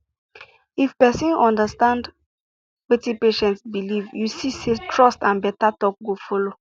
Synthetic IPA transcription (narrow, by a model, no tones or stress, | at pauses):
ifpɛsĩnɔ̃ndəstãnd | wetipeʃɛ̃ntsbilivjusisetʰɹɔstãnbɛtatɔk̚ɡofɔlo